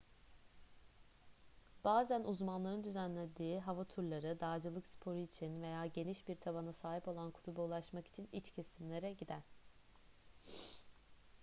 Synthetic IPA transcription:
b̥aːzænuzmanlˠaɾɯnd̪yzænlʲed̪iːɦavat̪ʰuɾlˠaɾɯd̪aːd͡ʒɯlˠɯkspʰo̞ɾuit͡ʃʰinve̞jaːɟe̞niʃbiɾt̪ʰabanasaːɦipo̞lˠankʰu̥t̪ʰubaulˠaʃmaki̥t͡ʃʰinit͡ʃcʰe̞simlʲe̞ɾɛɟid̪æn

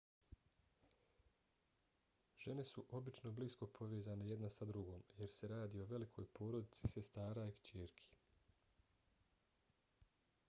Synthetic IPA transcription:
ʒ̥e̞ne̞suʔo̞bit͡ʃno̞blisko̞pʰo̞ʋe̞ːzane̞je̞d̪nasad̪ɾuɡo̞ːmje̞ɾse̞ɾaːd̪io̞ʋe̞likʰo̞ːjpʰo̞ːɾo̞d̪it̪si̥se̞st̪aːɾaikt͡ɕeːɾkʰi̥

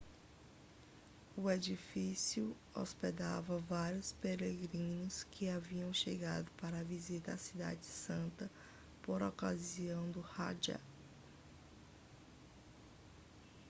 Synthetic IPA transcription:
ʊed͡ʒifisiʊ | ɔ̰sped̪avɐvaɾjʊspeɾeɡɾĩnʊskʰɪaviɐ̃w̃ʃeɡa̰d̪ʊpaɾɐːvizit̪ɐasid̪a̰d͡ʒɪsɐ̃nt̪ɐ | poɾɔka̰ziɐ̃w̃d̪ʊha̰d͡ʒɐ̰

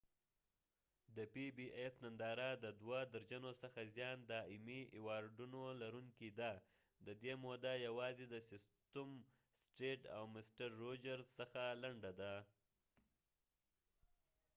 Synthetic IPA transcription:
d̪əpibiʔesnand̪ɑɾad̪əd̪wad̪əɾd͡ʒanosəxazjɑnd̪ɑɪmiewɑɾɖunolaɾuŋkid̪a | d̪əd̪emod̪ajawɑzed̪əsɪst̪əm | sʈeʈa̰wmɪsʈaɾːod͡ʒaɾzsəxalaɳɖad̪a

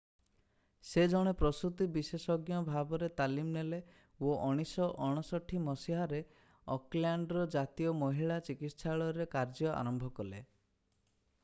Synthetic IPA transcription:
sed͡ʒɔɽ̃epɾɔsut̪ibisesɔɡjɔbʱabɔɾet̪alimnele | oʔɔɽ̃isɔʔɔɽ̃ɔsɔʈʰːimɔsiɦaɾe | ɔklaɳɖɾɔd͡ʒat̪ijɔmɔɦiɭat͡ʃikit̪saɭɔɾekaɾd͡ʒɔʔa̰ɾɔmbʱɔkɔlḛ

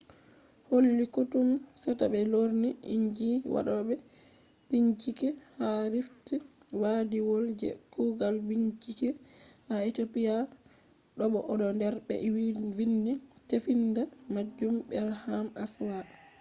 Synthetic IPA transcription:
holːikutumsɛtabɛloɾniʔḭɲd͡ʒiwa̰ɗɔbɛ | biɲt͡ʃikɛhaɾifti | wadiwold͡ʒɛ̰kuɡalbiɲt͡ʃikɛhaetopija | ɗɔɓɔʔɗɔndɛɾɓɛ̰wwinːitefindamad͡ʒːumbɛɾhamaswa

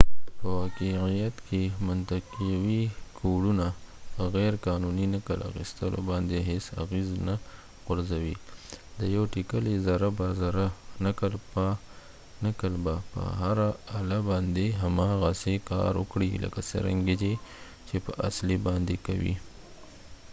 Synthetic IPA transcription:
pəwaqiijat̪kʰemʊnt̪aqawikʰoɽunapəɣɛɾkɑnuninakəlʔa̰xḭst̪əlo̰bɑnd̪eɦesa̰ɣezna | ɣʊɾzawid̪əjawʈikəlezaɾabazɾanakəlpa | nakəlbapə̰ɦaɾaːlabɑnd̪eɦamɑɣasekɑ̰ɾwʊ̰kɽilʔə̰kasə̰ɾa̰ŋɡed͡ʒ̪e | t͡ʃepəʔa̰slibɑnd̪ekawḭ

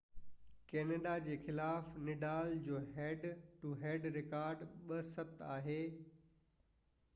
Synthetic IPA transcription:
kɛːneɖad͡ʑeːxɪlaːfnɪɖaːld͡ʑoːɦɛːɖʈuɦɛːɖɾɪkaːɾɖɓɐsɐt̪aːɦeː

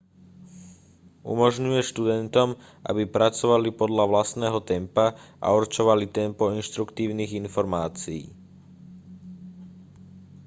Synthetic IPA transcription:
ṵmɔʒɲujɛʃt̪ud̪ɛnt̪ɔm | ʔa̰bipɾat͡sɔʋalipɔd̪ʎaʋlast̪nɛːɦɔt̪ɛmpaʔa̰uɾt͡ʃɔʋalit̪ɛmpɔinʃt̪ɾukt̪iːʊniːɣinfɔɾmaːt͡siḭː

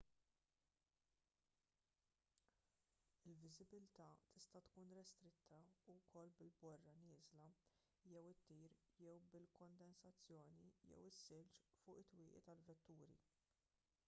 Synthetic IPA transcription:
ɪlvɪzɪbɪlt̪ɐt̪ʰɪst̪ɐt̪kuːnɾɛst̪ɾɪt̪ʰːɐuwkʰɔlːbɪlbɔrːɐnɪːzlɐ | jɛwɪt̪ːiːɾjɛwbɪlkɔnd̪ɛnsɐt͡sːjɔːnijɛ̰wɪsːɪlt͡ʃfʊːʔɪt̪ːwɪːʔit̪ɐlvɛt̪ːuːɾḭ

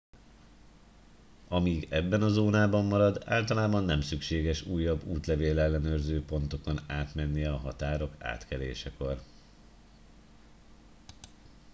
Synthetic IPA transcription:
ɒmiːɡɛbːɛnɒzoːnaːbɒmːɒɾɒd̪a̰ːlt̪ɒlaːbɒnːɛmsykʃeːɡɛʃuːjːɒbːuːt̪lɛveːlɛlːɛnøːrzøːpo̞nt̪o̞ko̞naːt̪mɛnːijɛɒɦɒt̪aːɾo̞ka̰ːt̪kɛlḛːʃɛko̞r

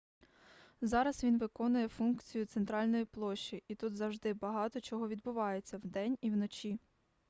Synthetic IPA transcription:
zɑɾɐsʋʲinʋɪkɔnʊjɛfunkt͡sʲijʊt̪sent̪ɾɑlʲnɔjiplˠɔʃt͡ʃːiʔit̪ut̪zɐwʒd̪ɪbɐɦɑt̪ɔt͡ʃɔɦɔʋʲid̪̚bʊʋɑjet͡sʲːɐwd̪ɛnʲiwnɔt͡ʃʲi

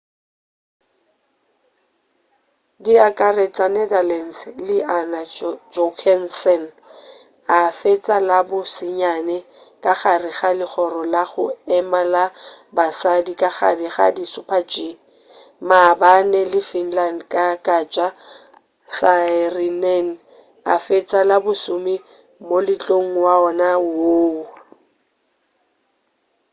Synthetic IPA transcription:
dɪakʼaret͡sʼanɛdalɛn̩slɪʔanad͡ʒɔkʰɛnsɛn | afet͡sʼalabʊsɪɲanɛ | kʼaχarɪχalɪχɔrɔlaɣʊɛmalabasadikʼaχa̰diχa̰disʊpʰat͡ʃʼi | mabanɛlɪfin̩landkʼakʼat͡ʃʼa | sarinɛn̩ | a̰fet͡sʼalabʊsʊmi | molɪt͡ɬʼoŋ̩waɔnawoː

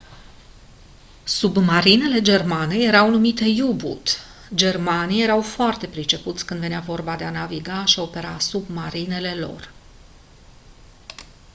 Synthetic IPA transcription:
submaɾine̞le̞d͡ʒe̞rmaneje̞ɾawnumit̪e̞jubṵt̪ | d͡ʒe̞rmanije̞ɾawfoart̪e̞pɾit͡ʃe̞put̪sʲkɨnd̪ve̞navo̞rbad̪e̞anaviɡaʃio̞pe̞ɾasubmaɾine̞le̞lo̞̰r

